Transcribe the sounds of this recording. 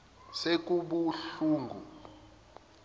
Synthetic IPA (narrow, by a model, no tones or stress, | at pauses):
sek̬ʼuɓuɬuːŋɡʱṵ